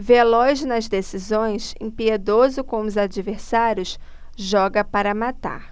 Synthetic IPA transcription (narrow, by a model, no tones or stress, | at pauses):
velɔznɐzd̪esizõj̃sḛ̃pied̪ozʊkõʊzad͡ʒiveɾsaɾjʊs | ʒɔɡɐpaɾɐmat̪a̰ɾ